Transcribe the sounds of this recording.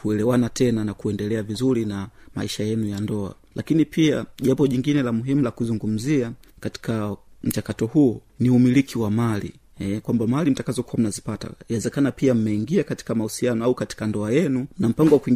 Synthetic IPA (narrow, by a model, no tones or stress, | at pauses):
kuɛlɛwanatʰɛnanakuɛndɛlɛavizuɾinama̰iʃajɛnujandɔa̰ | lakinipʰiaʄambɔʄiŋɡinɛlamuɦimulakuzuŋɡum̩zia | kati̥kam̩t͡ʃakatɔhuː | niumilikʰiwamalḭ | ɛkwambamalim̩takazɔkuwam̩nazipata̰inawɛzɛkanapiam̩mɛiŋɡiakati̥kamahusianɔaukati̥kandɔajɛnunam̩paŋɡɔwakuiŋ